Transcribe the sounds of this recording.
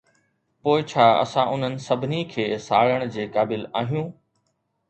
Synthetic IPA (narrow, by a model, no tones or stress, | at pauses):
poːɪt͡ɕʰaːɐ̰sãʔʊn̤ənɪ̆sɐbʱɪnikʰeːsaːɭəɽ̃d͡ʑeːkaːbɪlaːɦijũː